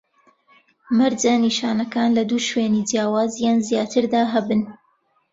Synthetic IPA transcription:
mɐɾd͡ʒaniʃaːnɐkaːnlɐd̪uːʃweːnid͡ʒjaːwaːzjaːnzjaːt̪ʰɨɾd̪aːɦɐbɨn

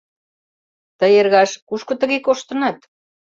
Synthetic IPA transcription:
t̪ə̆jerɣɑʃkuʃkŏt̪ə̆ɣekoʃt̪ə̆nɑt̪

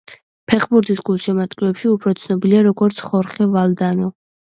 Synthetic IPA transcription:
pʰɛχbuɾd̪isɡulˠʃɛmat̪ʼkʼilɛpʃiupʰɾɔt̪sʰnɔbiliaɾɔɡɔɾt̪sʰχɔɾχɛvalˠd̪anɔ

